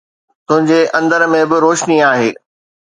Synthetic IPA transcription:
t̪ʊ̃ɦɪ̃ɲd͡ʑeʔɐ̃nd̪əɾmẽbɪɾoːʃniaːɦeː

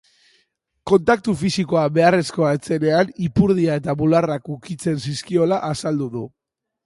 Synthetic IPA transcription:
ko̞nt̪ak̚t̪ufisiko̞aβe̞are̞sko̞aet͡se̞ne̞anipuɾð̞iae̞t̪amularakukit͡se̞nsiskio̞laʔasald̪uðu

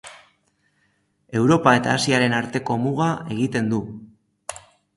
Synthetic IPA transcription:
e̞wɾo̞pae̞t̪a̰ːsiaɾe̞naɾt̪e̞ko̞muɣ̞ae̞ɣ̞it̪e̞nd̪u

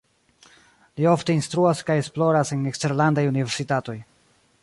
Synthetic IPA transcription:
lio̞fteinst̪ɾuaskaje̞splo̞ɾase̞nekste̞ɾlandajunive̞ɾsitato̞j

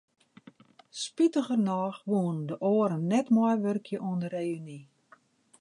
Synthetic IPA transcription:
spitəɣərnɔːxʋoəndəʔoəɾənːɛtmɔjʋørkʰjəʔuəndəreːyni

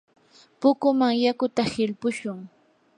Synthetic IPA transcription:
pʊkʊmaŋjakʊt̪ahɪlpʊʃʊŋ

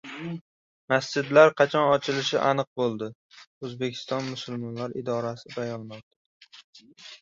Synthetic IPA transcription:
masd͡ʒɪd̪laɾqʰɑt͡ʃʰɒnɒt͡ʃʰɪlɪʃɪʔanɨq̚bolˠd̪ɪ | ɵzbekʲʰɪ̥st̪ɒnmʊsʊlˠmɒnlaɾɪd̪ɒɾasɪbajɒnmɒqt̪ḁ

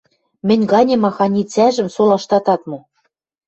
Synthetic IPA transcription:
mɘ̆nʲɡɑnʲemɑxɑnʲit͡sæʒɘ̆msolɑʃt̪ɑt̪ɑt̪mu

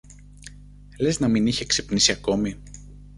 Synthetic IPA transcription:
le̞znɐminiçe̞ksepnisiɐko̞mi

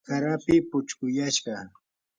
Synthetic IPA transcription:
kaɾapɪpʊt͡ʃkʊjaʃɢɑ

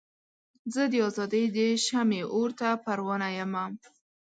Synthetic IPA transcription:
zəd̪əɑzɑd̪əjd̪əʃameʔoɾt̪apaɾwɑnajəma

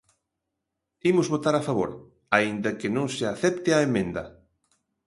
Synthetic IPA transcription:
imʊzβot̪aɾafaβoɾ | aind̪ɐkɪnõŋsɪaθɛp̚t̪ɪaemẽnd̪ɐ̰

